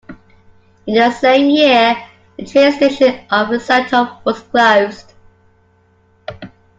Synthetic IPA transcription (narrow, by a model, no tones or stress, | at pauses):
ɪ̃nəsẽɪ̃mjɪə | ðətʰɹ̥iəstɪʃə̃nʔəvðəsaɪtʰɔpwɒz̥kʰl̥əʊz̥d̥